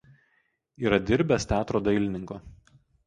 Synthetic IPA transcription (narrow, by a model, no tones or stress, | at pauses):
iːɾɐd̪ʲɪɾʲbʲɛst̪ʲæːt̪ɾoːd̪ɐɪlʲɪnʲɪŋkoː